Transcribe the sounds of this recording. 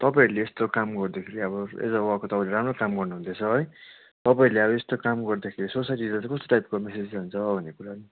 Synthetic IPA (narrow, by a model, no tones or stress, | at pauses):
t̪ʌpaĩleest̪okamɡʌrd̪ekʰeɾiʌβʌḛd͡zʌwakot̪ʌpãĩleɾamrokamɡʌrnuɦũnd̪et͡sʰʌɦʌj | t̪ʌpaĩleʌβʌest̪okamɡʌrd̪akʰeɾisosajʈilt͡sãkʌst̪o̥ʈajp̚komesed͡zd͡zant͡sʰʌbʱʌnːekuɾani